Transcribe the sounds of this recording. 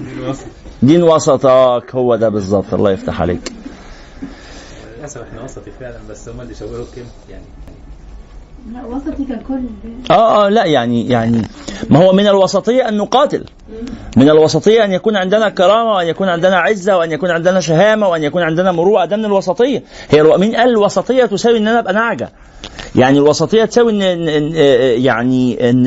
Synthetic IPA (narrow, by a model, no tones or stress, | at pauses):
d̪iːnwɑsˤɑt̪ˤɑʔæːkhowːæd̪æbezˤːɑb̚t̪ˤʔɑ̰lːɑ̰ːjeft̪a̰ħa̰lḛːk | æsæʔeħnæwɑsˤɑt̪ˤifeʕlænbæsːhomæliʃæwːeɾokem | jaʕni | wɑsˤɑt̪ˤiækolːʔæːʔæːlæʔjaʕnijaʕnimæhowːæmɪnælwɑsˤɑt̪ˤejːɑʔænːuqɑːt̪ḛl | menælwɑsˤɑt̪ˤejːɑʔænjækuːnʕend̪enækɑɾˤɑːmæweʔænjækuːnʕend̪enæʕezːæweʔænjækuːnʕend̪ænæʃ̬æɦæːmæweʔænjækuːnʕend̪enæmoɾuːʕæd̪æmnelwɑsˤɑt̪ˤejːɑ | hejːælmiːnʔæːllwɑsˤɑt̪ˤejːɑt̪osæːwiʔenːʔænæʔæbʔænaʕɡæ̰ | jaʕnilwɑsˤɑt̪ˤejːɑt̪sæːwiʔenːnjaʕniʔenː